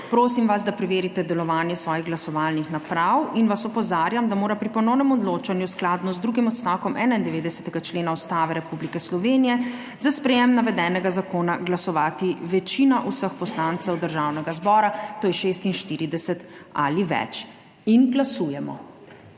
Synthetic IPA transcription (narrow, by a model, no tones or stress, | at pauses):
pɾoːsimʋazd̪apɾɛʋeːɾit̪ɛd̪ɛlɔʋaːnjɛsʋɔːjiɣɡlasɔʋaːlnixnapɾawinʋasɔpɔzaːɾjamd̪amoːɾapɾipɔnɔwnɛmɔd̪loːt͡ʃanjusklaːd̪nɔzd̪ɾuːɡimɔt̪st̪aːwkɔmʔɛːnaind̪ɛʋeːd̪ɛsɛ̥t̪ɛɡat͡ʃleːnaɔst̪aːʋɛɾɛpublikɛslɔʋenijɛ | zaspɾɛjɛmnaʋɛd̪ɛːnɛɡazakoːnaɡlasɔʋaːt̪iʋɛt͡ʃinaʔusəxpɔslant̪sɛwd̪əɾʒawnɛɡazbɔːɾat̪oːjɛʃest̪inʃt̪iːɾid̪ɛsɛt̪a̰liʋɛ̰t͡ʃ | inɡlasuːjɛmɔ̰